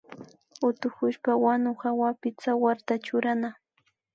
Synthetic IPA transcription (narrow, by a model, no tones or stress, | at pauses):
ʊt̪ʊxʊʃpawanʊhawapɪt͡sawaɾt̪at͡ʃʊɾana